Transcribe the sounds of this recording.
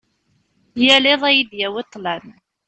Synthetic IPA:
jæleðˤæjid̪jæwet̪ˤːlæn

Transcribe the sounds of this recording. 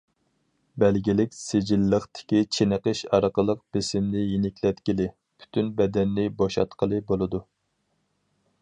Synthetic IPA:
bɛlɡʲilɪkʲsed͡ʒilːəχt̪ʰɪ̥kʲit͡ʃʰenəqəʃɑɾqəlˠəq̚b̥ɪsɪmnɪjinɪkʲlɛt̪kʲilɪ | pʰy̥t̪ʰynbɛd̪ɛnːɪboʃɑ̰t̪qʰəlˠɨbolˠɨd̪u

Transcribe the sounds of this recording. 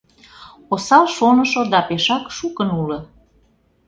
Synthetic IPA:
osɑlʃonə̆ʃod̪ɑpeʃɑkʃukənulɤ̆

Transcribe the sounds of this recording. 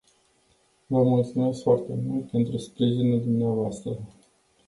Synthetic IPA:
vammult̪siome̞sfoart̪e̞mult̪̚pe̞nt̪ɾuspɾiʒinuld̪umneavoast̪ɾə

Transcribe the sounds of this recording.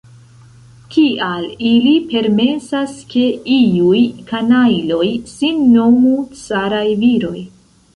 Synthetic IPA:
kiʔalilipe̞ɾme̞saske̞iujkanajlo̞jsinːomut͡saɾajviɾo̞j

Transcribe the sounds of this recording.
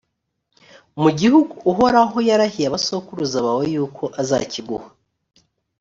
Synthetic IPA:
muɟihuɡuːɦo̞ɾaɦo̞jaɾahijaβaso̞kuɾuzaβawejuːkʰo̞ʔaza̰ciɡṵhḁ

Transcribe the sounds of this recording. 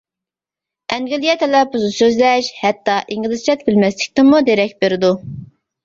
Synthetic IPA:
ɛŋɡʲylˠijɛt̪ʰɛlɛpuzusøzlɛʃhɛt̪ːɑʔiŋlˠɨst͡ʃɛt̪̚bɪlmɛslɪkʲt̪ɪmud̪eɾɛkʲbeɾɪd̪u

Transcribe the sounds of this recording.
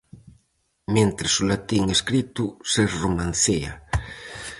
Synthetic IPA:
ment̪ɾesulat̪iŋeskɾit̪ʊseɾromãnθea̰

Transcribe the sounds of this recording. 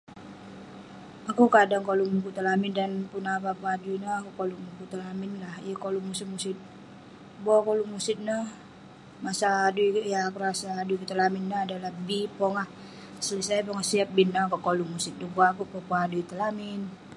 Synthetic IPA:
akukadaŋkolumuk̬ut̪alamɪndanpunapapuadunaakukolumukut̪alamɪnlahijəkolumusɪt̪̚musɪt̪̚ | bokolumusɪt̪̚nah | masaduijakuɾasaːduikət̪əlamɪnːaːdalahbipɔŋah | səlisajapɔŋasiap̚binːakɔkolumusɪt̪̚duɡaːkupapuaduit̪əlamɪn

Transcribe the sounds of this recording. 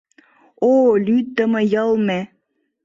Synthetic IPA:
olyt̪ːəmə̆jəlˠme

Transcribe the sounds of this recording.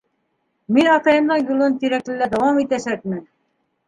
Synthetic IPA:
minɑt̪ɑjɤ̆md̪ɑɴjulˠɤnt̪iɾæklɘ̆læd̪ɑwɑmit̪æʃæk̚mɘn

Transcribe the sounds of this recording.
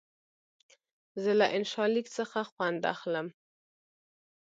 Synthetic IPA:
zəlaʔɪnʃɑlikt͡səxaxwand̪a̰xləm

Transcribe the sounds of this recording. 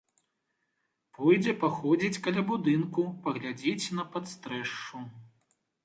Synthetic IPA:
pɔjd͡zʲɛpaxɔd͡zʲit͡sʲkɐlʲabud̪ɨnkupɐɣlʲad͡zʲit͡sʲnɐpat̪st̪ɾɛʂt͡ʂu

